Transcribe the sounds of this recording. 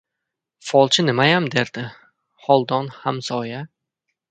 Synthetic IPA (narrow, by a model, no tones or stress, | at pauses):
fɒlˠt͡ʃʰɪnɪmajamd̪eɾd̪̥ɪ | hɒlˠd̪ɒnhamsɒja